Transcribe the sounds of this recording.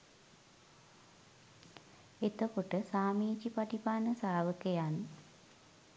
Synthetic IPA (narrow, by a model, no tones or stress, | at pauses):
et̪əkoʈəsaːmiːt͡ʃipaʈipaːnəsaːʋəkəjan